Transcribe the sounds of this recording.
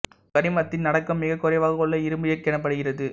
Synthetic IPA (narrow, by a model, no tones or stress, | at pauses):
kɐɽɪmɐt̪ːɪnnɐɽɐkːɐmːɪɣɐkːʊɾɐɪʋaːɣɐɔɭːɐɪɾɯmbɪjɐɪkːɛɳɐp̬ːɐɽɯɣɪrɐðɯ